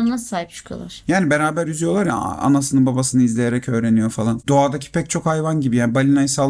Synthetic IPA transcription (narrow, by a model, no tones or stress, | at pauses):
nassaːhip̚t͡ʃʰɯ̥kʰjo̰lˠa̰ɾ̥jaːnibeɾaːbæɾyzyjo̞lˠaɾja̰a̰nasɯnɯbabasɯnɯizlʲejeɾɛcʰø̞ːɾe̞nijo̞falˠand̪o̞aːd̪acʰi̥pʰɛc̚t͡ʃʰo̞khajvanɟibijaːnibalʲinajsa